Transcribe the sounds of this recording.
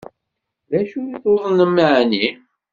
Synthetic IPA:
ðæʃujiθoðˤnəmːəʕni

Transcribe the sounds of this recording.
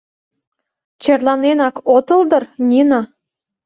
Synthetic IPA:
t͡ɕerlɑnenɑkot̪ə̆ld̪ɤ̆rnʲinɑ

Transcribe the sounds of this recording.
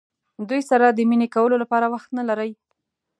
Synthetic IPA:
d̪ujsaɾad̪əminekawəlolapɑɾawaxt̪nalaɾəj

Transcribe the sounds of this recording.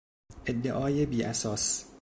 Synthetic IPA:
ʔed̪ːeʔɒːjebiːʔæsɒːs

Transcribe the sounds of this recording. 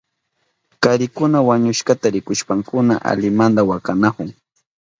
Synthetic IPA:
kaɾɪkʊnawaɲʊʃkat̪aɾɪkʊʃpaŋkʊna̰ʔa̰ʎɪmand̪awakanakʊŋ

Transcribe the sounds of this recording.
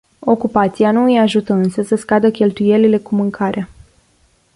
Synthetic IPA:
o̞kupat̪sianuɨjaʒut̪əɨnsəsəskad̪əkʲe̞lt̪uje̞lile̞kumɨŋkʰaɾea

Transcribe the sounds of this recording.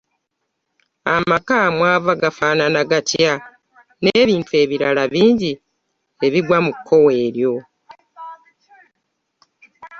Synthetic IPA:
a̰makamwaːvaɡafaːnanaɡatja | neːβiːntue̞ːβiɾalaβiːɲɟi | e̞βiɡwamukʰːo̞we̞ːɾjo̞

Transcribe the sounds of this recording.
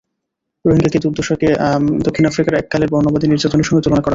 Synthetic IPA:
ɾoɦiŋɡaked̪uɾd̪oʃoked̪okʰːinafɾikaɾɛkːaleɾbɔɾnobad̪ʱiniɾd͡ʑat̪oneɾʃɔŋɡet̪ulonakɔɾa

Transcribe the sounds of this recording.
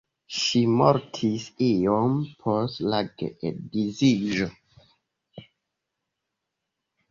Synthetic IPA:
ʃimo̰ɾtʰisiompʰostlaɡḛedizid͡ʒo

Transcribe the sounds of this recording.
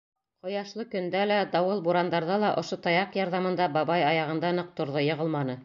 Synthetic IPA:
qŏjɑʃlˠɤkɵ̆nd̪ælæd̪ɑwɤlˠbuɾand̪ɑɾðɑlˠɑʔŏʃot̪ɑjɑqjɑɾðɑmɤ̆nd̪ɑbɑβɑjɑjɑʁɤ̆nd̪ɑnɤq̚t̪ŏɾðojɤ̆ʁɤ̆lˠmɑnɤ

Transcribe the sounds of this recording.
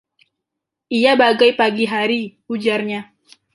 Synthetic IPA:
ʔijabaɡajpaɡiɦaɾiud͡ʒarɲa

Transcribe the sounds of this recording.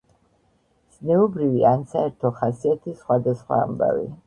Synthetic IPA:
z̥nɛubɾiviansaɛɾt̪ʰɔχasiat̪ʰisχwad̪asχwa̰ːmba̰vḭ

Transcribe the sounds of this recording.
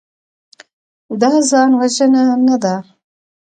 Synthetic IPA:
d̪ɑzɑnwaʒənanad̪a

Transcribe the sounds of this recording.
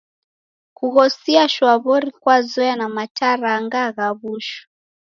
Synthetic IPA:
kuɣɔsiaʃwaβɔɾikwazɔjanamataɾaŋɡaɣaβuʃu̥

